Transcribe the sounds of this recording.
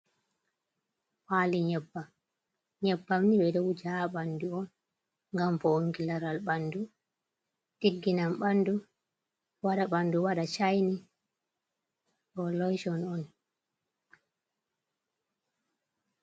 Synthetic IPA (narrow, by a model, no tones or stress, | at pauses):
paːliɲɛbːam | ɲɛbːamniɓɛɗɔwd͡ʒaɓanduɔn | ŋɡamfɔoŋkilaɾalɓandu | tiɡːinamɓandu | waɗaɓanduwaɗat͡ʃajni | ɗɔlɔjʃɔnɔn